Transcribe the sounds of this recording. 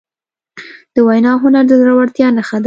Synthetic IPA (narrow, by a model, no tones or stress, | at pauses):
d̪̥əwajnɑɦʊnaɾd̪əd̪ɾawaɽt̪jɑnaxad̪